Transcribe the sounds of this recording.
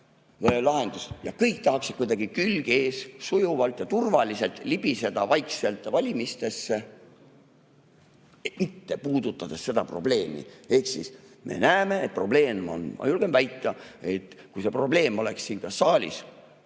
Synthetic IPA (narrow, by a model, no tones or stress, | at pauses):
elɑɦend̪ust̪jɑkɤjk̚t̪ɑɦɑksi̥kujd̪ɑɡ̥ikylɡ̥e̞ːssujuvɑlt̪jɑt̪urvɑlise̞lt̪ˑlibise̞d̪̥ɑvɑjkse̞lt̪ˑːvɑlʲimist̪e̞sːe̞ | mit̪ːe̞puːd̪̥ut̪ːˑɑd̪̥esse̞d̪ɑpro̞̰ble̞ːmḭe̞hksḭs | me̞̰næːme̞ːt̪̚pro̞ble̞ːno̰nmɑ̰julɡ̥emvæjt̪ˑːɑe̞t̪ːkujse̞pro̞ble̞ːmo̞le̞ksːiːnkɑssːɑːlʲḭs